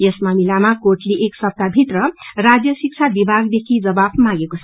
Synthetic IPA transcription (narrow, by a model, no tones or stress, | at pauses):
jʌsmamilamakoʈliʔeksʌp̚t̪abʱit̪rʌrad͡zjʌsik̚t͡sʰabibʱaɡd̪ekʰid͡zʌbabmãɡekot͡sʰʌ